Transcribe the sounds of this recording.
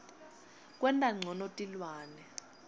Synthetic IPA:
k̬ʼwɛntʼaŋ͡ǀʱɔnotʼilwaːnɛ

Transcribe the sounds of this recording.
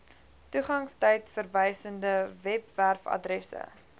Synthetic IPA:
tuχɐŋstɛjtfərvɛjsəndəvɛpværfɐ̰drɛsə̰

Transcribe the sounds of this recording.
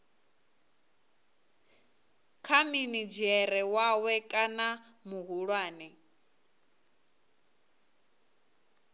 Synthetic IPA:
kʰaminid͡ʒɛɾɛwawɛkʼana | muɦuɺwaːnɛ

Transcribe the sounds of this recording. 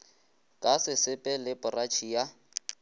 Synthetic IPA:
kʼasɪsɪpʼɛlɪpʼʊrat͡ʃʰija

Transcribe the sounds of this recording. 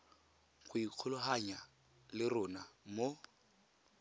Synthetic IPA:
χʊiq͡χʰʊlʊɦaɲa | lɪrʊːnamo

